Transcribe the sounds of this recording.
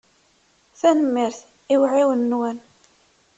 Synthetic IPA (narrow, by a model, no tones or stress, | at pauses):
θænəmːiɾθ | iwʕiwənːwæn